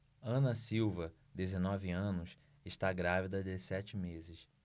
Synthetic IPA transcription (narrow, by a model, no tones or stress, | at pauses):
ɐ̃nɐsiwvɐ | d̪ezenɔvɪɐ̃nʊs | ɪʃt̪aɡɾavid̪ɐd̪ɪsɛt͡ʃɪmezɪs